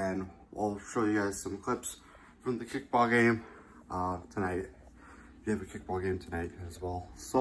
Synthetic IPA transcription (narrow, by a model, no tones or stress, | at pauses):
ɨ̃nwʔa̰lˠʃɔjɨɡaɪz̥sʌ̃mkʰl̥ɪps | fɹʌ̃mðɨkʰɪk̚b̥ɔlˠɡẽɪ̃m | ʌtʰənaɪt̚ | jɨɨvɨkʰɪk̚b̥ɔlˠɡẽɪ̃mtʰənaɪt̚ɨzwɛlˠso